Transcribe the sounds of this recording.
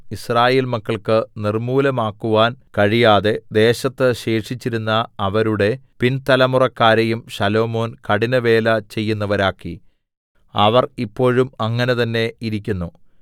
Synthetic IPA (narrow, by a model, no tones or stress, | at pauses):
israːje̞ːlmɐkːɐɭkɨnirmuːlɐmaːkːuʋaːnkɐɻijaːðe̞d̪e̞ːɕɐt̪ːɨɕe̞ːʂit͡ɕːiɾunːɐːʋɐɾuɽe̞pint̪ɐlɐmurɐkːaːɾɐjumɕɐlo̞ːmo̞ːnkɐɽinɐʋe̞ːlɐt͡ɕe̞jːunːɐʋɐɾaːkːḭ | ɐʋɐripːo̞ːɻumɐŋːɐne̞t̪ɐnːe̞iɾikʲːunːu